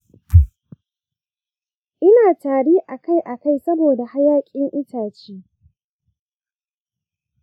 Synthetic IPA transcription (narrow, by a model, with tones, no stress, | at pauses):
ʔɪ˦naː˨taː˨ɽiː˦ʔa˨ka˦˨jʔa˨ka˦˨jsɐ˦boː˨da˨ha˦jaː˦kʲʼɪ˦ŋʔɪ˦taː˨t͡ʃiː˦